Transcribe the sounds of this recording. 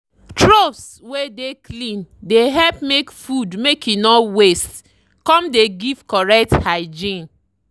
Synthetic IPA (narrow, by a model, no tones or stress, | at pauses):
tɹofs | wedeklĩndeɦɛlpmekfudmekinɔwest | kɔ̃mdeɡiv̥kɔɹɛk̚thaɪd͡ʒĩn